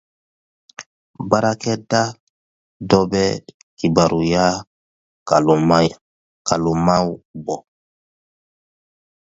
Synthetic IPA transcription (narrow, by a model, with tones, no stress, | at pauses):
baɾakɛ˦da˦ | dɔ˦bɛ | ki˨baɾu˨ja˦ | kalu˨ma | ka˨lu˨ma˦ubɔ˨